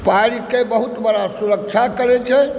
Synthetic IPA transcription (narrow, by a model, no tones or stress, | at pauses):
paɾikebəɦut̪bəɽasuɾək̚t͡ʃʰakəɾɛt͡ʃʰɛ